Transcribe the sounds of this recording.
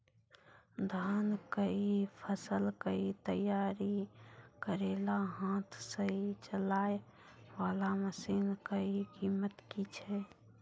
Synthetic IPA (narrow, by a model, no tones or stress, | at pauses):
d̪ʱaːnkəipʰəsəlkəit̪əjaːɾikəɾelaɦãːt̪ʰsəɦit͡ʃəlaːe | ʋaːlaməsinkəikiːmət̪kit͡ʃʰɛ